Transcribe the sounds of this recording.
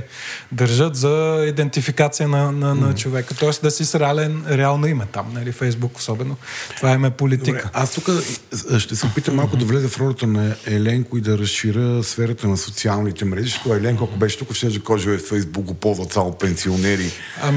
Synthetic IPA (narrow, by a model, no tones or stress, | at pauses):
d̪ɐɾʒət̪zɐid̪ɛnt̪ifikat̪sijənɐnɐnɐt͡ʃovɛkət̪ɔɛsd̪ɐsisɾɛalɛnɾɛalˠnoimɛt̪amnɐlifɛjzbuko̥sɔbɛnot̪ovaimɛpolid̪iɾkəast̪ukəʃt̪ɛsɛpit̪əmːalˠkʊd̪ɐvlɛzɛfɾɔlɐt̪ənɐɛlɛŋkʊid̪ɐɾɐsʃiɾəsfɛɾət̪ənɐsot̪sialˠnit̪ɛmɾɛʒiʃi̥t̪oɛɛlɛŋkoɐkobɛʃɛ̥t̪ukəfʃɛʒɛkɔʒiɛfɛjzbuk̚ɡopɔlˠzvɐt̪samopɛnsionɛɾi | ɐm